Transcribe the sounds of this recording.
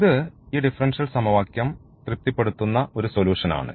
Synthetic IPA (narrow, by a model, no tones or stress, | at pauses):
iðɨiːɖifɐrɐnʂɐlsɐmɐʋaːkjɐm | t̪rɨp̚t̪ːipːe̞ɽut̪ːunːɐo̞ɾuso̞luːʂɐna̰ːɳɨ̰